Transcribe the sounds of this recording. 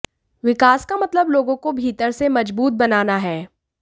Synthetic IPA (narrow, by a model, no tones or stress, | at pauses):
ʋɪkaːskamɐt̪ləbloːɡõkobʱiːt̪əɾsemɐd͡ʒbuːt̪̚bɐnaːnaɦɛː